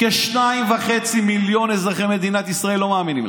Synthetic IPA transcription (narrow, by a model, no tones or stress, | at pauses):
keʃnaimvaχe̞t͡similjo̞nezʁaχemed̪inat̪isʁae̞lːo̞maːminḭm